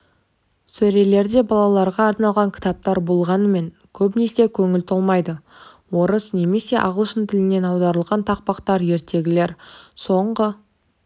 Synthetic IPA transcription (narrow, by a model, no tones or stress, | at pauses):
sɵɾe̞le̞ɾd̪e̞bɑlˠɑlˠɑɾʁɑːɾnɑlˠʁɑŋkʲʰɪ̥t̪ɑp̚t̪ɑɾbo̞lˠʁɑnəme̞ŋ | kʲʰɵpnese̞kʲʰɵŋɪlt̪ʰolˠmɑjd̪ə | woɾəsne̞me̞se̞ʔɑ̰ʁəlˠʃənt̪ʰɪlɪne̞nɑwd̪ɑɾəlˠʁɑnt̪ʰɑq̚pɑqt̪ɑɾje̞ɾt̪e̞ɡʲɪle̞ɾso̞ɴʁə